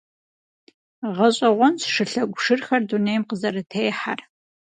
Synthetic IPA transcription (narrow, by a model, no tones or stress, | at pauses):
ʁɐɕʼɐʁʷɔnsʂɨɬɐɡʷʊʂɨrxɐrdunejmqəzɐɾɨtʰeːjħar